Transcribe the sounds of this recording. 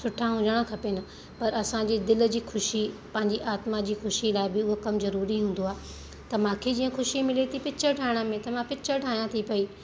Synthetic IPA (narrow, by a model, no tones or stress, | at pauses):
sʊʈʰãɦʊ̃ɲd͡ʑəɽ̃ãkʰɐpenɐ | pɐɾɐsãɲd͡ʑiːd̪ɪl̆d͡ʑiːxʊʃipɐ̃ɦɪ̃ɲd͡ʑiʔaːt̪mad͡ʑiːxʊʃilaːɪbɪʊɦokɐmzɐɾuːɾiɦũːn̆d̪oaːɦ | t̪ɐmãːkʰed͡ʑiːə̃xʊʃimɪlet̪ʰipɪt͡ɕʰəʈʰaːɪɽ̃ə̆mẽt̪ɐmãpɪt͡ɕʰəʈʰaːjãt̪ʰipɐiː